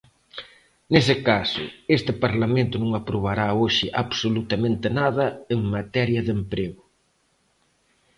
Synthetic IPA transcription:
nes̬ɪkasʊ̰est̪ɪpaɾlamẽnt̪ʊnõŋapɾoβ̞aɾaoʃɪʔaβsolut̪ɐmẽnt̪ɪnaðɐeŋmat̪ɛɾjɐðempɾeɣʊ

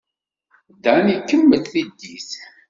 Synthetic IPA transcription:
d̪ænikːəmːəθθid̪ːiθ

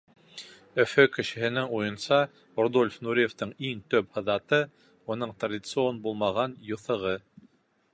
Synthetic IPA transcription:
ɵ̆fɵkɘ̆ʃɘ̆hɘ̆nɘŋujɤ̆nsɑ | rod̪olʲfnuɾʲijeft̪ɤɴiŋt̪ɵphɤ̆ðɑt̪ɤ | unɤɴt̪radʲit̪sɨonbulˠmɑʁɑnjŏθɤ̆ʁɤ

